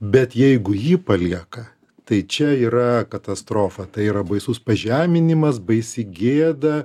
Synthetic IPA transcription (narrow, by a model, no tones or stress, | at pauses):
bʲɛt̪jɛɪɡʊjiːpɐlʲiɛkɐ | t̪ɐɪt͡ʃʲɛiːɾɐkɐt̪ɐst̪ɾoːfɐt̪ɐɪiːɾɐbɐɪsuːspɐʒʲæːmʲɪnʲɪmɐs̬bɐɪsʲɪɡʲeːd̪ɐ